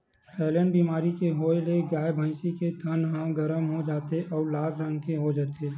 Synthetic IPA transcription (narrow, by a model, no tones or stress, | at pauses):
ɛːlɛ̃ːɳɖbiːmaːɾikeɦoːeleɡaːjbʱãɪsiket̪ʰənɦãɡɐɾəmɦod͡ʒaːt̪eʔɔːɾlaːd͡ʒɾə̃ŋɡkeɦod͡ʒaːt̪e